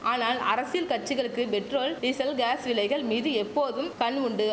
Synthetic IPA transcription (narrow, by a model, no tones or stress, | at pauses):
ʔaːnaːlɐɾɐsɪjɐlkɐʈ̚t͡ʃɪɣɐɭɯkːɯpɛʈroːlɖɪsɐlɡaːsʋɪlɐɪɣɐɭmiːðɯɛpːoːðɯmkɐɳʊɳɖɯ